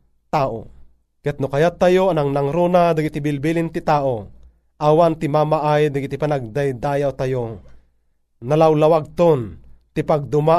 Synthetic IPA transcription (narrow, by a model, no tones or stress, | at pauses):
t̪aːʔo̰ | kɛt̪̚nʊkajat̪ːajoanaŋnaŋɾuːnad̪aɡit̪ibɪlbilint̪it̪aːʔo | ʔawant̪ɪmaːmaʔajd̪aɡit̪ipanaɡ̚d̪ajd̪aːjawt̪ajo | nalawlawaɡ̚t̪ont̪ɪpaɡ̚d̪ʊma